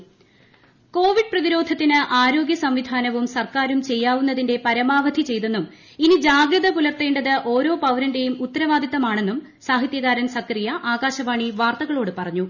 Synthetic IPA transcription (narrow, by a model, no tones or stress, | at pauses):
ko̞ːʋiɖ̚prɐðiɾo̞ːd̪ʱɐt̪ːinɨʔaːɾo̞ːɡjɐsɐmʋid̪ʱaːnɐʋumsɐrkaːɾumt͡ɕe̞jːaːʋunːɐðinde̞pɐɾɐmaːʋɐd̪ʱit͡ɕe̞jt̪enːum | inid͡ʑaːɡɾɐðɐkulɐrt̪ːeːɳɖɐðɨʔo̞ːɾo̞ːpɐwɾɐnde̞jumut̪ːɐɾɐʋaːd̪ʱit̪ːɐmaːɳe̞nːum | saːɦit̪jɐɣaːɾɐnsɐkrijɐʔaːɡaːɕɐʋaːɳiʋaːrt̪ɐɣɐɭo̞ːɽɨpɐrɐɲːu